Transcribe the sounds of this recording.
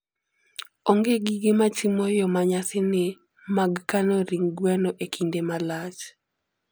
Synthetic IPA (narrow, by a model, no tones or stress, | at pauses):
ɔŋɡeɡiɡɪmat͡ʃimɔjɔmaɲasɪnɪ | maɡkanɔɾiŋɡwanɔʔekʰindemalat͡ʃ